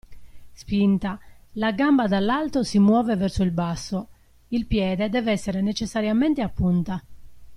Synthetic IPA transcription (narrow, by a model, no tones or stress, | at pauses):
spint̪alaɡambad̪alːalt̪osimwɔːvevɛrsoilbasːo | ilpjɛːd̪ed̪ɛːvɛsːeɾenet͡ʃɛsːaɾjamɛnt̪eapːunt̪a